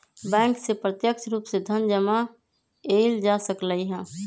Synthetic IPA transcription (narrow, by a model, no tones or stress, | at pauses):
bɛ̃ːŋksepɾət̪jəkt͡ʃɾuːpsed̪ʱənd͡ʒəma | eɪld͡ʒaːsəkləiɦɛ̃ː